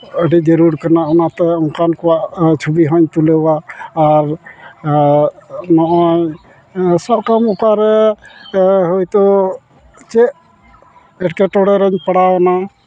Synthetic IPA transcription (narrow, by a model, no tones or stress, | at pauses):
əɖid͡ʒəɾuɾkanaɔnat̪ɛɔnkankɔwaʔt͡ʃʰubiɦɔɲt̪ulɛwaːɾ | nɔʔɔj | sɔb̚kamukaɾɛ | ɦojt̪ɔ | t͡ʃɛʔ | ɛʈkɛʈɔɽɛɾəɲpəɽawna